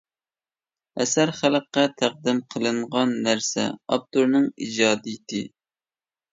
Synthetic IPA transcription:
ɛsæɾχælqːɛt̪ʰæq̚d̪ɨmqʰəlˠɨɴʁɑnːæɾsɛ̰ɑ̰b̚t̪uɾnɨŋid͡ʒɑːd̪ijit̪ʰɪ

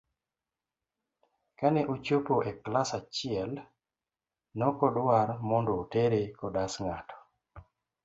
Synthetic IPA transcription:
kanɛʔot͡ʃopoʔeklasat͡ʃɪɛl | nɔkɔdwaɾmɔndoːteɾekɔdasŋatʰɔ̥

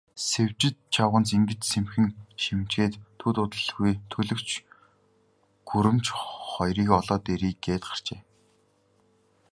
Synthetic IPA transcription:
sew̥ʲt͡ɕɪ̆t̪t͡ɕʰawʁə̆nt͡siŋɡɘ̆t͡ɕsemxɘ̆ŋʃimt͡ɕxeːt̪ʰːut̪ʊt̪ə̆ɮɣujt̪ʰɵɮɵ̆kt͡ɕ | ɡ̥uɾɘ̆mt͡ɕχɔjriːkɔɮɔːt̪eɾiːkɡeːt̪ɢḁr̥t͡ɕeː

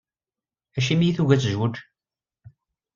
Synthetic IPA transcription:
æʃimijiθuʝæt͡sːʒwəd

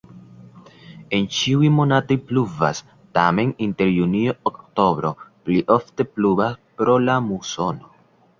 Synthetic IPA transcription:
e̞nt͡ʃiwimo̞nato̞jpluva̰s | tame̞ninte̞ɾjuniookto̞bɾo̞pliʔo̞fte̞plubaspɾo̞lamuso̞no̞

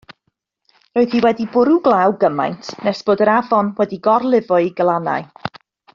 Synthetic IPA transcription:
roːɨðhiwɛdibʊɾuɡlˠawɡəma̰jntʰnɛsb̥oːdəɾavɔnwɛdiɡɔrlˠɪvʊɨɡəlˠana̰ɨ

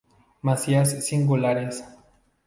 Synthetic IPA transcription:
masiasːiŋɡulaɾes

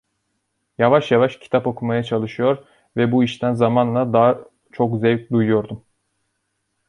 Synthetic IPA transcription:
javaʃjavaʃcʰi̥t̪ʰapo̞kʰumajat͡ʃʰalˠɯʃɯjo̞ɾ | vɛbuiʃt̪ʰænzamanlˠad̪aː | t͡ʃʰo̞kzɛvc̚d̪ujujo̞ɾd̪um

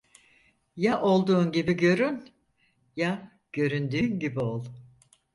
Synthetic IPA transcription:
jaʔo̞lˠd̪uːnɟibiɟø̞ɾyn | ja | ɟ̥ø̞ɾynd̪yːnɟibiolˠ

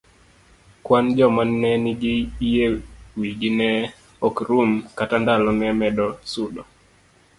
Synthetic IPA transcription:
kwand͡ʒɔmanːɛniɡiijewiɡinɛ | ɔkɾumkatandalɔnɛmɛdɔsudɔ

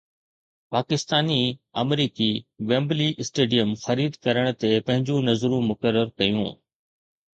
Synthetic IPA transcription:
paːkɪst̪aːniɐmɾiːkiʋẽːmbliʔɪsʈeːɖijəmxɐɾiːd̪ʱkɐɾəɽ̃̆t̪epɐ̃ɦɪ̃ɲd͡ʑũnɐzɾũmʊkəɾːəɾkɐjṵ̃ː

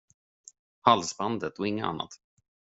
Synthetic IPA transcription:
halsband̪ət̪ɔɪŋːəa̰nːa̰t̪

